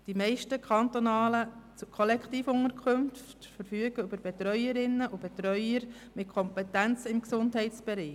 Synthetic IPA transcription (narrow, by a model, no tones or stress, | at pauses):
d̥imɛɪʃtəkʰχɑnt̪onɑːlət͡sukʰolɛkχtiːfʊŋəɾkʰømftfəɾfyːəɡəʏbəɾb̥ɛt̪ɾœʏəɾɪnːəʔʊb̥ɛt̪ɾœʏəɾmɪt̚kʰɔmpɛt̪ænt͡sɪmksʊndɦɛɪtt͡sb̥ɛɾi